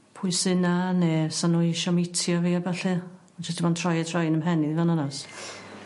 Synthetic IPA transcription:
pʰʊɨsɨnanɛsanɔɪʃɔmɪtʰjɔviːabɛɬɨ | t͡ʃʰɛsdʰimantʰrɔjɛtʰrajnəmɦɛniðivɔnɔnɔs

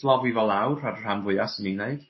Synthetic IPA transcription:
lˠɔvivɔlˠawɾarr̥amvʊɨasənineɨd̥

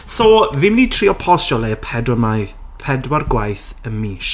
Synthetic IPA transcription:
sɔvɪmnitʰriːɔpʰɔsɔlˠeəpʰɛa | pʰɛdwarɡwajθəmiːʃ

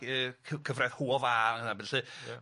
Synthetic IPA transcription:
əːkʰəkʰəvrɛð̥huːɔvaːaənabɛɬɨ

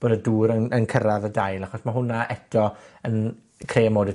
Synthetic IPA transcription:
b̥oːdəduːɾənənkʰəɾavədajlˠaχɔsmaɦʊnaʔɛtʰɔən | kʰrejəmoːdɪ

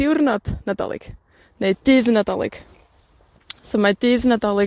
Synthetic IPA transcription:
ɪwrnɔd̥nadɔ̰lˠɪ̰ɡ̥ | neɨdɨːðnadɔlˠɪ̰ɡ̥ | somad̥ɨːðnadɔlˠɪ

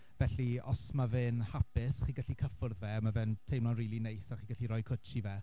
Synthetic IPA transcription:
vɛɬiɔ̰smavɨnhapɪsχiːɡəɬikʰəfʊrðvɛmavɨntʰejmlɔnriːlˠinejsaχiːɡəɬiɾɔjkʰət͡ʃivɛ

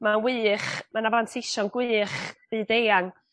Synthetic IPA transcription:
mawɨːχmanavantʰɪʃɔnɡwɨːχb̥ɨːdejaŋ

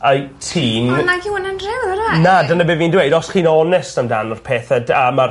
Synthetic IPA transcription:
əjtʰiːnnaɡɪwənanrɪwəɾanadənabeviːndwejdɔsχiːnɔnɛstamdanɔrpʰeːθədamar

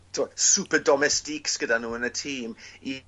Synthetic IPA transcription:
tʰuɔsupədɔmɛstiksɡ̥ədanuːənətʰiːmi

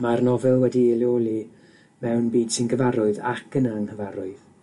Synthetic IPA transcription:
marnɔvɛlˠwɛdiɪlˠjolˠi | mɛwnbiːd̥sɪnɡəvaɾʊɨðakʰənaŋhəvaɾʊɨð̥

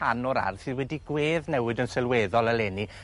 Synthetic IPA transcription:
anɔɾa̰rθɨðwɛdiɡweːðnɛwɨdənsɛlˠweːðɔlˠəlˠɛːni

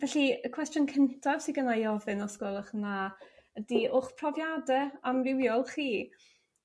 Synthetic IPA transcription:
vɛɬiəkʰw̥ɛstjɔnkʰəntʰav̥siɡənajɔvɪnɔskɔlˠəχnaədiʔʊχpʰrɔvjadɛamrɪwjɔlˠχiː

